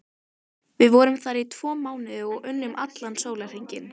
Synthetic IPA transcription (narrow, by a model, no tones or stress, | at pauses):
vɪðvɔɾʏmθaɾit̪ʰvɔːmaːwnɪðʏɔɣʏnːʏmʔa̰t̪lansoːwlar̥hiɲcɪn